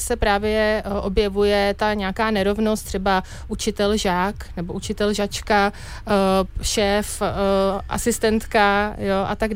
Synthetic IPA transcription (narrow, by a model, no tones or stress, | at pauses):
sɛpɾaːvjɛʔo̞bjɛvujɛt̪aɲɛakaːnɛɾo̞vno̞st̪r̥ɛba | ʔut͡ʃɪt̪ɛlʒaːknɛbo̞ʔut͡ʃɪt̪ɛlʒat͡ʃka | ʃɛːf | ʔa̰sɪst̪ɛnt̪kajo̞ʔat̪aɡ